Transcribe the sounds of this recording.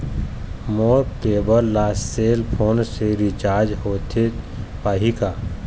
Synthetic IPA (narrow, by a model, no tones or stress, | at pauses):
moːɾkeːbəɾlaːsseːlpʰoːnseɾit͡ʃaːɾd͡ʒɦoːt̪ʰe | paːɦikaː